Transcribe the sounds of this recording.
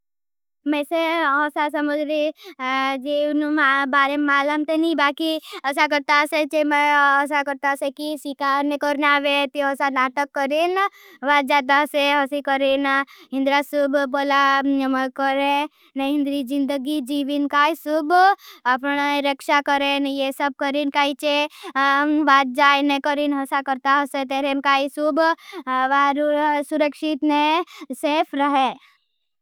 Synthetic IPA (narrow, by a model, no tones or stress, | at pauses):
mɛ̃ːseɔːsas̬ɐməd͡ʒɾe | d͡ʒenumbaːɾemaːləmt̪enibaːkiɐs̬ak̬əɾt̪aset͡ʃemeɔs̬akəɾt̪asekiswikaːɾnekɔɾnaːʋet̪iɔːsanaːʈəkːəɾen | ʋad͡ʒaːd̪aseɦɔsikəɾenɦɪ̃nd̪ɾasubboːla | kəɾẽ | neɪ̃nd̪ɾid͡ʒɪ̃nd̪əɡid͡ʒiːʋinkaːisʊbɐpneɾəkʃakəɾẽnjesəb̚kəɾinkaːit͡ʃe | ʋaːt̪̚d͡ʒajnekəɾinɦɐsakəɾt̪aɦəset̪eɾenkaːisubʋaɾusuɾəkʃit̪neseːpʰɾəɦe